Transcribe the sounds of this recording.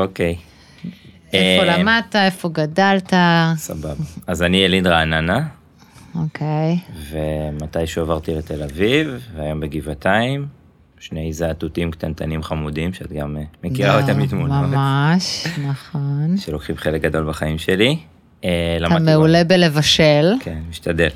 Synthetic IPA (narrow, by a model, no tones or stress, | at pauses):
okej | eolamad̚taefoɡadaltasababaːzanielidʁaːnana | okʰejvemat̪ajʃuavaʁt̪ilet̪elavivːeajo̞mbeɡivataim | ʃnejzaːt̪utimkt̪ant̪ʰanimχamudimʃeat̪ɡamemekiʁaotemit̪munmamaʃnaχonʃelokχibχelek̚ɡad̪o̞lbaχaimʃeli | elamameule̞bele̞vaʃelkʰenmiʃt̪ad̪el